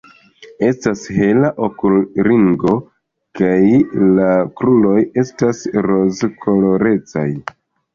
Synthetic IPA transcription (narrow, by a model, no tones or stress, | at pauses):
e̞stashe̞laʔo̞kulɾiŋɡo̞ | kajlakɾulo̞je̞stasɾo̞zkʰo̞lo̞ɾe̞t͡sa̰j